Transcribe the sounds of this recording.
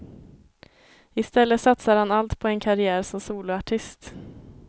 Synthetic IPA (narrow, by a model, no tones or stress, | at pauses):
ɪst̪ɛlːəsat̪saɾhanalt̪pʰɔɛnkʰaɾɪæːɾsɔmsuːlʊaʈʰɪst̪